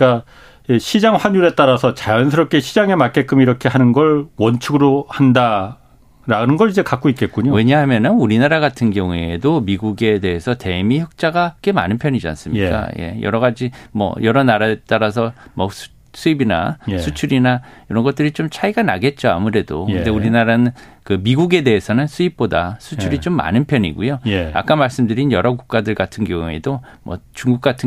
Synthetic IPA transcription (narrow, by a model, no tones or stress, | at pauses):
k͈a | eɕʰid͡ʑaŋɸwaɲuɾe̞t͈aɾasʰʌt͡ɕajʌnsʰɯɾʌp̚k͈ʰeɕʰid͡ʑaŋe̞mak͈e̞k͈ɯmiɾʌkʰeɦanɯnɡʌɭwʌnt͡ɕʰɯɡɯɾohanda | ɾanɯnɡʌɾid͡ʑe̞kak͈̚oit̚k͈e̞tk͈uɲowe̞ɲaɦamjʌnɯnuɾinaɾaɡatʰɯnɡjʌŋue̞domiɡuɡe̞de̞ɦesʰʌte̞miçʌk̚t͡ɕ͈aɡak͈e̞ma̰nɯnpʰjʌɲid͡ʑia̰ns͈ɯmɲik͈a̰je̞̰jʌ̰ɾʌɣad͡ʑimʌ̰jʌɾʌnaɾaet͈aɾas̬ʰʌmʌsʰ | s͈ʰuibina̰sʰut͡ɕʰuɾinaiɾʌnɡʌt͈̚ɯɾit͡ɕomt͡ɕʰaiɡana̰ɡe̞t̚t͡ɕ͈oa̰mɯɾe̞dokɯnde̞uɾinaɾanɯnkɯmiɡuɡe̞de̞ɦesʰʌnɯnsʰuip̚p͈odasʰut͡ɕʰuɾit͡ɕomːa̰nɯnpʰjʌɲḭɡujoa̰k͈amaɭs͈ɯmdɯɾinjʌɾʌɡuk̚k͈adɯɭɡatʰɯnɡjʌŋue̞̰domwʌ̰t͡ɕuŋɡuk͈̚atʰɯ